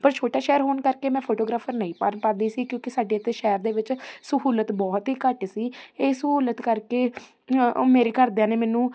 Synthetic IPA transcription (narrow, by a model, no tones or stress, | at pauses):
pəɾt͡ʃʰoːʈaːʃɛːəɾɦoːnkəɾkeːmɛ̃ːpʰoːʈoːɡɾaːpʰəɾnəĩːpanpaːd̪iːsiːkjõːkɪsaːɖeːt̪eːʃɛːəɾd̪eːʋɪt͡ʃsəɦuːlət̪bɔːt̪ɦiːkəʈsiːeːsəɦuːlət̪kəɾkeː | meːɾeːkəɾd̪aːneːmɛːnũː